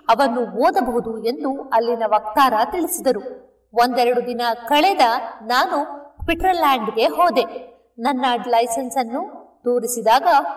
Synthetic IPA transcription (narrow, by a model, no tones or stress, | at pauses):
ɐʋɐnːuɦoːd̪ɐbɐɦud̪ue̞nd̪uɐlːinɐʋɐk̚t̪aːɾɐt̪iɭisid̪ɐɾu | o̞nd̪ɛɾɐɽud̪inɐkɐɭɛd̪ɐnaːnuʋiʈɾɐɾlːaːɳɖɡe̞ɦɔːd̪e̞ | nɐnːɐɖlɐjsɐnsɐnːud̪̥oːɾisid̪aːɡɐ